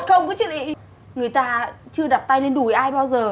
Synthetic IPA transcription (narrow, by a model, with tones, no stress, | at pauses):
t̚xə˧wŋ͡mkɔ˨˦t͡ɕɨ̰˧˨ənʔḭ˧˨ | ŋɨ˨˩əjt̪aː˧t͡ɕɨ˧əɗa˨˩p̚t̪a˧jle˧nɗu˨˩˦jʔaː˧jɓaː˧wzəː˨˩